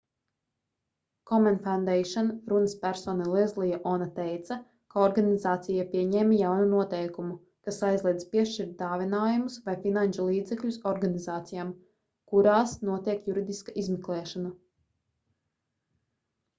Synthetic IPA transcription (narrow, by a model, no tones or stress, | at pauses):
kɔmɛ̃nfawnd̪ɛjʃɔnɾunəspʲæɾsɔːnalˠiɛzlˠijaʔɔnat̪ɛjt̪sa | kaɔɾɡanizaːt̪sijapiɛɲɛːmajawnunuɔt̪ɛjkumu | kasajzlˠiɛd̪spiɛʃt͡ʃiɾt̪̚d̪aːvʲinaːjumusvajfinant͡ʃulˠiːd̪zɛkʎʲusɔɾɡanizaːt̪sijaːm | kuɾaːsnuɔt̪iɛkjuɾid̪iskaʔizmiklˠɛːʃana